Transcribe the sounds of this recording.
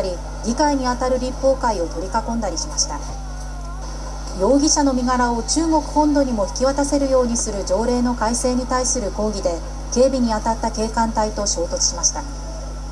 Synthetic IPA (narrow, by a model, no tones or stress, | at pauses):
ɾʲi | ɡʲikaiɲ̟iat̪aɾɯ̟ɾʲipːo̞ːkaio̞t̪o̞ɾʲikakõ̞nd̪aɾʲiɕimaɕi̥t̪a | jo̞ːɡʲiɕano̞mʲiɡaɾao̞t͡ɕɨːŋo̞kɯ̟̥hõ̞nd̪o̞ɲ̟imo̞çi̥kʲiβat̪ase̞ɾɯ̟jo̞ːɲ̟isɨɾɯ̟d͡ʑo̞ːɾe̞ːno̞kaise̞ːɲ̟it̪aisɨɾɯ̟ko̞ːɡʲid̪e̞ | ke̞ːbʲiɲ̟iat̪at̪ːake̞ːkãnt̪ait̪o̞ɕo̞ːt̪o̞kɯ̥ɕimaɕi̥t̪a